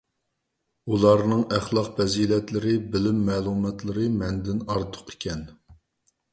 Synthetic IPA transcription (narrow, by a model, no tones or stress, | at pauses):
ulˠɑɾnɨŋæχlˠɑqfɛziːlɛt̪lɪɾɪbɪlɪmːɛːlˠumɛt̪lˠɨɾɨmɛnd̪ɪnɑɾt̪ʰʊ̥qʰi̥kʲɛn